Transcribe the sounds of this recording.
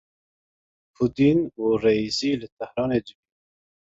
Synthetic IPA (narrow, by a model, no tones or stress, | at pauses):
pʰud̪iːnuːreiziːlɨt̪ʰɛhɾɑːneːd̪ɨbi